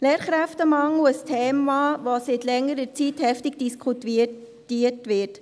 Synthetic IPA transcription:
lɛːɾχɾæftəmɑŋl̩əstʰeːmɑvosɪtlɛŋːəɾət͡sithɛftɪɡ̚d̥iskʰχuti | tiːtʋɪt

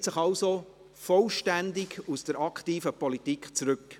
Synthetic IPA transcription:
tsəχɑʊso | fɔlʃtændɪɡusd̥əɾɑktiːfəpɔlitikχt͡sɾʉk

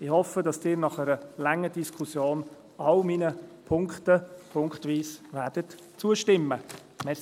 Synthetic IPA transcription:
ɪhɔfədɑsd̥ɪːɾnɑχɛɾəlɛŋːədiskʰusjoːn | ɑlminəpʰʊŋktəpʰʊŋkχtʋiːsvɛːd̥ət | t͡suəʃtɪmːə | mɛ

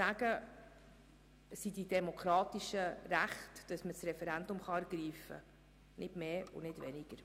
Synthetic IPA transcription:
æɡ̥ə | sididɛmokʰɾɑːtiʃəɾæχtd̥ɑsməsrɛfɛɾændʊmχɑæɾɡ̥ɾiːfə̰ | nʔɪdmeːʊ̰nɪdvɛnɪɡ̥əɾ

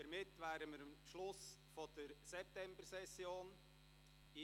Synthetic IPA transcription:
əɾmɪtːʋæːɾəməɾəmʃlʊs | fɔd̥əɾsɛp̚tɛmbəɾsɛsjoːn | ɪ

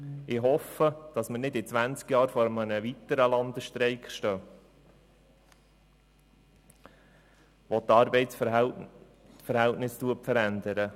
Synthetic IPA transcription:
ɪɦɔfəd̥ɑsmənɪdɪt͡sʋænt͡skjɑːɾfɔɾəmənəʋitəɾəlɑnd̥̪əʃtɾɛɪkχʃtœː | ʋɔtːɑːɾbɛɪts | fəɾhæltnɪstuəpfəɾænd̪əɾə

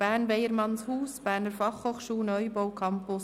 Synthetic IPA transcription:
b̥æːnʋɛjəɾmɑnshuːsb̥æːrnəɾfɑχhoːχʃuːlnœʏbɔwkʰɑmpʊs

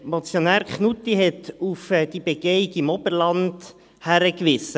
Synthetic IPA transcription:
mɔt͡sjonæːɾkχnut̪iɦɛt̪ufd̥ibeɡ̥eikimɔb̥əɾlɑnd | hæɾəkʋɪsə

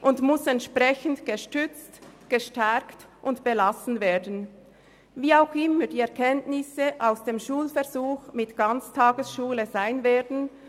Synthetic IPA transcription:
ʔʊntmʊsɛntʃpʁɛçən̩tɡ̥əʃtʏt͡stɡ̥əʃtɛktʔʊntb̥əlasn̩veːɐdn̩ | viːaʊxʔɪmədiːɛɐʁkʰɛntnɪsəʔaʊsd̥eːmʃuːlfɛɐʁzuːxmɪtɡ̥ant͡stʰaːɡəsʃuːləzaɪnveːdn̩

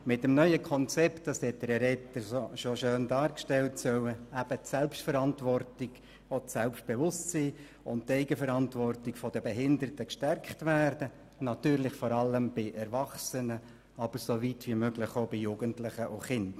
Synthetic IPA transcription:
mɪtɛmnœʏəkʰɔnt͡sɛptd̥ɑsɛt̚d̥̪əɾɛɾɛtːəɾsoʃoʃøːndɑːɾkʃtɛltsœwəæb̥ətsɛlpʃtfəɾɑntʋɔrtɪɡ | otsɛlpʃt̚b̥evʊstsiː | ʊnttːɛɪɡəfəɾɑntʋɔrtɪkfɔdəbɛɦɪndəɾətəkʃtɛrkχtvæːɾd̥ə | nɑt̪yːɾlɪχfɔɾɑlːəmb̥ɪʔɛɾvɑχsənə | ɑb̥əɾsovitʋimøɡlɪχobɪjuːɡəntlɪχəʔʊχɪnd

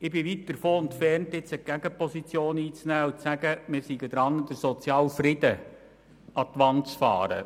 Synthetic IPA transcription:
ɪbɪʋit̚d̪̥əɾfoːʊntfɛrntɪt͡səɡ̥æɡ̥əpɔsit͡sjoːniːt͡snæːʊt͡ssæɡəmɪɾsiɡəd̪ɾɑnd̥̪əɾsɔt͡sjɑːlfrɪd̥̪ə | ʔɑt̪ʋɑnt͡sfɑ̰ːɾə̰

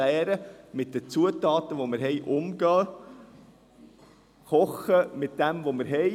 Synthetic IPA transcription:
æːɾəmɪt̚d̥ət͡suətɑːt̪əʋoməɾɦɛjʔʊmɡɑː | χɔχəmɪtd̥ɛmvoməɾɦɛ

